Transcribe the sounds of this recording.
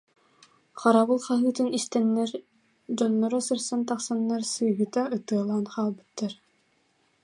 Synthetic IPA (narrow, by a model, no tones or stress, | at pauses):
χaɾaβɯlˠχaɦɯːt̪ɯnist̪ɛnːɛɾ | d͡ʑɔnːɔɾɔsɯɾsant̪ɑqsanːaɾsɯːɦɯt̪aɯt̪ɯɐlˠaːnqaːlˠbɯ̥t̪ːaɾ